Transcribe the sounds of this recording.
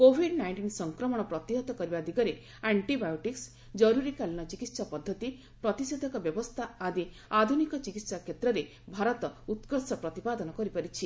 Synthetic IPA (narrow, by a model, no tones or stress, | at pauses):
kobʱiɖnajɳʈinsɔŋkɾɔmɔɽ̃ɔpɾɔt̪iɦɔt̪ɔkɔɾibad̪ʱikɔɾe | aɳʈibajuʈiks | d͡ʒɔɾuɾikalñɔt͡ʃikit̪sapɔd̪ʱːɔt̪i | pɾɔt̪ised̪ʱɔkɔbjɔbɔst̪ʰaad̪i | ad̪ʱunikɔt͡ʃikit̪sakʰjet̪ɾɔɾe | bʱaɾɔt̪ɔut̪kɔsɔpɾɔt̪ipad̪ɔnɔkɔɾipɔɾit͡ʃʰi